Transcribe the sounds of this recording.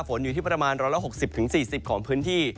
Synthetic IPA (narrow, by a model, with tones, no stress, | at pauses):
fo˩˦nju˨˩iː˥˩pɾa˧maː˧nɾɔː˦˥jla˦˥ɦo˨˩k̚si˨˩p̚t̪ʰɯ˩˦ŋsiː˨˩si˨˩p̚kʰɔː˩˦ŋpʰɯː˦˥nt̪ʰiː˥˩